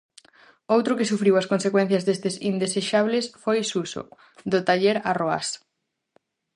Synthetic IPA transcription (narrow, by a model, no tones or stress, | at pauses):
owt̪ɾʊkɪsufɾiwɐskonsekwɛn̟θjɐzðest̪esind̪eseʃaβlesfojsuso̰ | d̪ʊt̪aʎeɾaroa̰s